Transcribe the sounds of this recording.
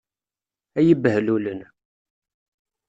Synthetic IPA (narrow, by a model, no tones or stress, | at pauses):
æjəbhlulən